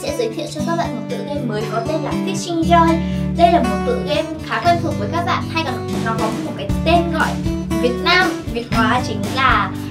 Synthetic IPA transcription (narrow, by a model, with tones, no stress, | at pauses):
sɛ̰˧˥zɨ˨˦jt̪ʰḭ˧˨ənt͡ɕu˧k̪aː˦˥ɓa̰ː˧˨˩mo˨˩t̚t̪ɨ̰˧˨ŋɣɛ˧mːəː˨˦jkɔ˨˦t̪e˧nlaː˨˩t̪ʰi˨˦t͡ɕï˧ŋ̟zəː˧jɗə˧jlaː˨˩mo˨˩t̚t̪ɨ̰˧˨ɣɛ˧mxaː˨˦kwɛ˧nt̪ʰu˨˩k̚vəː˨˦jkaː˦˥k̚ɓa̰ː˧˨nha˧jkaː˨˩n˨˩˨nɔ˨˦kːwi˨˦mo˨˩t̚kaː˨˦jt̪e˧nɣɔ̰˧˨jvi˨˩ət̚naː˧mvi˨˩ət̚kwaː˨˩t͡ɕï˨˦ŋ̟laː˨˩